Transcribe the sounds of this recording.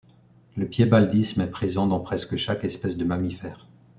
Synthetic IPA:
ləpjebald̪ismɛpχezɑ̃d̪ɑ̃pχɛskəʃakɛspɛsd̪əmamifɛːʁ

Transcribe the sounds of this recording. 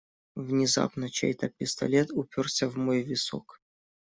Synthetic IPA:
vnʲɪza̰pnət͡ɕḛjt̪əpʲɪst̪ɐ̰lʲet̪ʊpʲorsʲəvmojvʲɪso̰k

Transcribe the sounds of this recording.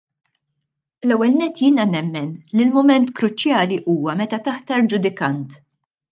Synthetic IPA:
lɛwːɛlnɛt̪ːjɪːnɐnɛmːɛnlilmʊmɛnt̪kɾʊt͡ʃːjɐːliʔuːwɐmɛt̪ɐt̪ɐħt̪ɐɾd͡ʒʊd̪ɪkɐnt̪

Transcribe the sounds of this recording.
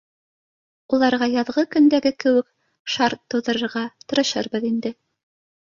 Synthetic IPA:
ulˠɑɾʁɑjɑðʁɤkɵ̆nd̪æɡɘkɘ̆wɘk̚ | ʃɑɾt̪ːɤ̆wðɤ̆ɾɤ̆ɾʁɑt̪ɤ̆ɾɤ̆ʃɤɾbɤðind̪ɘ

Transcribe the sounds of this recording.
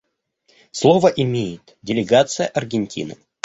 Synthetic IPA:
slˠovəʔɪmʲejɪt̪dʲɪlʲɪɡat̪sɨjəʔɐrɡʲɪnʲtʲḭnɨ̰

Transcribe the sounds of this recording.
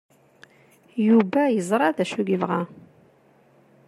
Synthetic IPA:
jubæjəzˤɾˤɑðæʃuɡivʁæ

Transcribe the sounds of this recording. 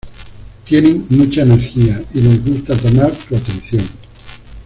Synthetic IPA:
t̪jeneŋmut͡ʃaeneɾxiailezɣust̪at̪omaɾsuat̪ẽ̞nθjoŋ

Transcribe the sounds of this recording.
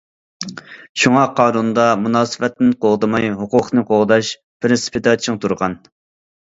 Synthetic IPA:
ʃuŋɑqʰɑːnund̪ɑmunɑːsɨvɛt̪ːnɪnqoʁd̪ɨmɑjɦuqʊqnɨqʰoʁd̪ɑʃ | pʰɪɾɪspʰɪt̪ɑt͡ʃʰiŋt̪ʰuɾʁɑn

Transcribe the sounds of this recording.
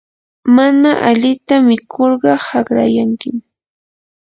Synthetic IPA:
manaʔaʎɪt̪amɪkʰoɾɢɑhɑɢɾa̰jaŋkɪm

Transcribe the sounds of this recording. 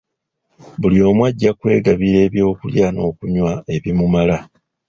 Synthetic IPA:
bulio̞ːmwaɟːakwe̞ːɡaβiɾe̞ːβjo̞ːkuljaːno̞ːkuɲwae̞βimumala

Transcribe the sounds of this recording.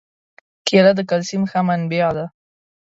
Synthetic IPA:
kʰelad̪əkalsimxamanbjɑd̪a

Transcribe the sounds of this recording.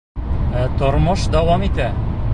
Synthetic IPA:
æt̪ŏɾmɤʃd̪æwɑmit̪æ

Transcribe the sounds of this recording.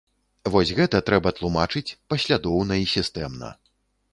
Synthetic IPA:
vɔsʲɣɛt̪ɐt̪ɾɛbɐt̪lˠumat͡ʂɨt͡sʲpɐsʲlʲad̪ɔwnɐisʲist̪ɛmnɐ̰

